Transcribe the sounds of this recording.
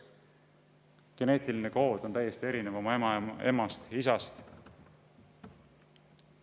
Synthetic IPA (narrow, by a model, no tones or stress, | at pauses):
ɡ̥e̞ne̞ːt̪iline̞ko̞ːd̪̥o̞nt̪æjːe̞st̪ie̞ɾinevo̞mɑmɑe̞̰mɑst̪isɑst̪